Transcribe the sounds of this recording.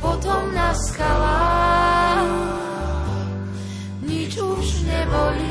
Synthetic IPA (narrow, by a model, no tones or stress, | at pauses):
pɔt̪ɔmnaskala | ɲit͡ʃuʒɲɛbɔli